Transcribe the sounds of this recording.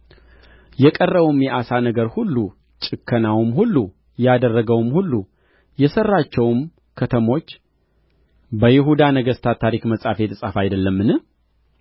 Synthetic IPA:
jɛkʼərːəβumjɛʔasanəɡəɾhulːu | t͡ʃʼɨkʰːənawmɦulːu | jad̪ərːəɡəwmhulːu | jɛsərːat͡ʃːɛwm | kʰət̪ʰəmo̞t͡ʃː | bəjɪɦud̪anəɡəst̪ʰat̪ʰːaɾikməsʼafet̪ʰɨsʼafajd̪əlːəmːɨnɨ

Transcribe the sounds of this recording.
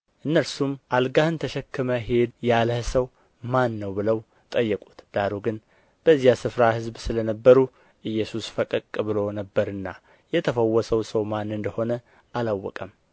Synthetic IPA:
ʔɨnːəɾsumʔalɡahɨnt̪ʰəʃɛkːɨməɦe̞d̪jaləhsəw | manːəwbɨləw | t̪ʼəjːɛkʼu̥t̪d̪̥aɾuɡɨn | b̥əzjasɨfɾahɨzbsɨlənəbːəɾu | ʔɨjːɛsusfəkʼəkʼːɨbɨlo̞nəbːəɾɨnːa̰ | jɛt̪ʰəfəwːɔsəwsəwmanːɨnd̪əho̞nə | alawːɔ̰kʼəm

